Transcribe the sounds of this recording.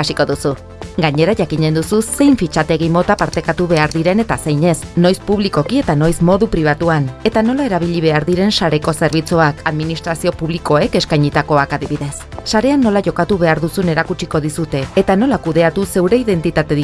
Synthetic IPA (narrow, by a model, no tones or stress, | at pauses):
asiko̞ðusu | ɡaɲe̞ɾaʝakiɲe̞nd̪ususe̞jɱfit͡ʃat̪eɣimo̞t̪apaɾt̪e̞kat̪uβe̞aɾðiɾe̞ne̞t̪ase̞jɲe̞sno̞jspuβ̞liko̞kie̞t̪ano̞jsmo̞ðupɾiβ̞at̪uane̞t̪ano̞lae̞ɾaβ̞iʎiβ̞e̞aɾðiɾe̞nsaɾe̞ko̞se̞ɾβit͡suakaðminist̪ɾasio̞puβliko̞e̞ke̞skajɲit̪ako̞akaðiβiðe̞sːaɾe̞anːo̞laʝo̞kat̪uβe̞aɾðusune̞ɾakut͡ʃiko̞ðisut̪e̞ːt̪ano̞lakuðe̞at̪use̞wɾe̞iðe̞nt̪it̪at̪e